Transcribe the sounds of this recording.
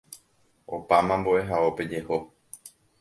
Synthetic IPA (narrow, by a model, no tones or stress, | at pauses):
o̞pamãmboʔe̞ɦao̞pe̞d͡ʒe̞ho